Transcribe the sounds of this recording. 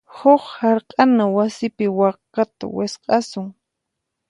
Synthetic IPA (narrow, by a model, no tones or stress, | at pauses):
hoχhaɾqʼanawasɪpɪwɑχqːat̪a̰wɪsqʼɑsʊŋ